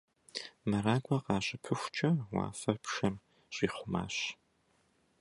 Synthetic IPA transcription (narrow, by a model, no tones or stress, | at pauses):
mɐɾaːɡʷɐqɑːɕʼɪpʰɨxʷt͡ʃʼɐwɑ̰ːfɐrpʂɐm | ɕʼiːχʷʊma̰ːɕ